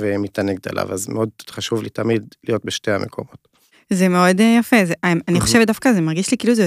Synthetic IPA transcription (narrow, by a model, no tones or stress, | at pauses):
vemit̪aneɡ̚t̪a̰lʔa̰vazmeo̞d̪χaʃuvlḭt̪amidlijo̞t̚beʃteamʔekʰo̞̰mo̞t | zemeo̞djafezeʔaniχo̞ʃevetdafkazemaʁɡiʃlikiiːluzejo